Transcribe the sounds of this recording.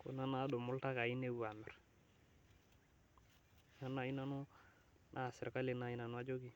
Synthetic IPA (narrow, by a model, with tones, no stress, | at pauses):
ko̰˨na˦na˦do˨mu˦lta˦ka˨i˦ne˦u˨a˨mɛ̰˨ɾ | na˦na˨i˦na˨nu˦ | nʔa˦˨se˨ɾka˦li˨na˦i˦na˨nu˦a˦d͡ʒo˦ɡi˨